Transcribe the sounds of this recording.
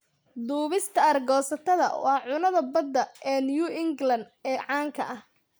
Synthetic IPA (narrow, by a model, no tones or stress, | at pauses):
d̪uːβɪst̪ʰɐɐrɡɔːsɐt̪ʰɐðɐ̰wɑːʕʊnɐðɐbɐd̪ːɐɛːnjuʔɪŋɡlɐnd̪ɛːʕɑːŋkʰɐʔɐh